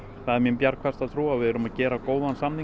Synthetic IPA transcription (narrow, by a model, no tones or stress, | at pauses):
θaðɛɾmjɛmpjaɾkʰvɛr̥t̪aðθɾuːavɪðɛɾʏmaðcɛːɾakoːwðansamni